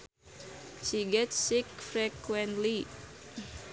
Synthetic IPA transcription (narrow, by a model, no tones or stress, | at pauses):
ʃiɡɛtssik̚fɾɛkwɛntli